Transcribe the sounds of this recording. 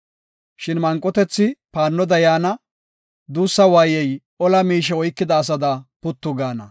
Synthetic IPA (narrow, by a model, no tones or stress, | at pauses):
ʃɪnmɐŋkʼːɔt̪ɛt͡sːɪpaːnːɔd̪ɐjaːnɐ | d̪uːsːɐwaːjɛj | ɔlɐmiːʃ̬ɛɔjkːɪd̪ɐːs̬ɐd̪ɐpʊt̪ːʊɡaːnɐ